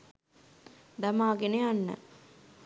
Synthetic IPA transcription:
d̪ɐmaːɡineanːə̰

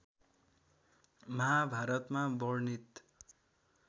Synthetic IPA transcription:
mʌɦabʱaɾʌt̪mabʌrnit̪

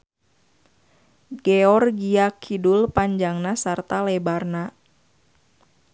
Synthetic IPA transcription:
ɡɛɔrɡiakʰidulpaɲd͡ʒaŋnasart̪alɛbarna

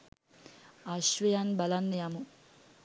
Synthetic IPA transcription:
aʃʋɐjanbɐlanːejamu

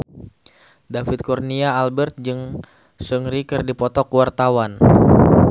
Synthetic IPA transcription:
dafit̪̚kurniaːlbɛrt̪̚d͡ʒɨŋ | səŋɾikɨrdipɔt̪ɔkwart̪awan

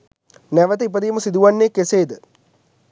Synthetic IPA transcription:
nɛʋət̪əip̬əd̪iːməsid̪uʋanːeːkeseːd̪ə

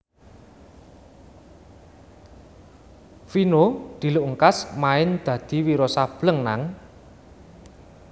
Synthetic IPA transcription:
finod̪̥i̤luʔŋkasmaɪnd̪̥ä̤d̪̥i̤wiɾɔsab̥ləŋna̰ŋ

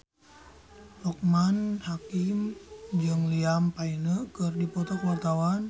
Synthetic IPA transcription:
lɔk̚manhakimd͡ʒɨŋliampainəkɨrdipɔt̪ɔkwart̪awan

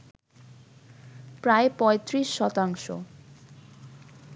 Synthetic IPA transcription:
pɾaepɔjt̪risːɔt̪aŋsɔ̰

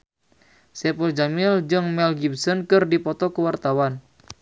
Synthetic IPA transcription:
sɛpɔld͡ʒamild͡ʒɨŋmɛlɡibsɔnkɨrdipɔt̪ɔkəwart̪awan

